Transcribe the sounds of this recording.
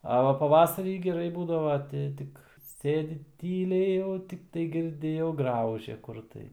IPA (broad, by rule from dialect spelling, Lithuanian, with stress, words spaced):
ɐ ˈʋɐ pɐˈʋɑːsɐrʲiː ɡʲɛˈrɐɪ ˈbuːdɐʋɐ ˈtʲɪ ˈtʲɪk ˈsʲeːdʲɪ ˈtʲiːlʲɛɪ jɛʊ tʲɪkˈtɐɪ ɡʲɪrʲˈdʲɪ jɛʊ ˈɡrɐʊʒʲɛ ˈkʊr tɐɪ